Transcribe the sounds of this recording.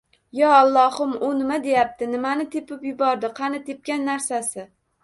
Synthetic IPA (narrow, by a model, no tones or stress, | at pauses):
jɒalˠːɒhʊmʊnɪmad̪e̞jap̚t̪ɪnɪmanɪt̪ʰepɪpjʊbɒɾd̪ɪqʰɑnɪt̪ʰep̚kʲanːaɾsasɪ